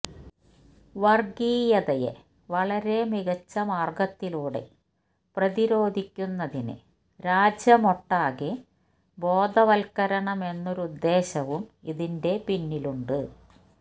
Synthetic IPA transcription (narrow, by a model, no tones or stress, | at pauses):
ʋɐrɡiːjɐðɐjḛ | ʋɐɭɐɾe̞miɣɐt͡ɕːɐmaːrɡɐt̪ːiluːɽe̞̰ | prɐðiɾo̞ːd̪ʱikʲːunːɐðinɨ̰ | ɾaːd͡ʑjɐmo̞ʈːaːɣe | bo̞ːd̪ʱɐʋɐlkɐɾɐɳɐme̞nːoɾuud̪ːe̞ːɕɐʋumiðinde̞pinːiluɳɖɨ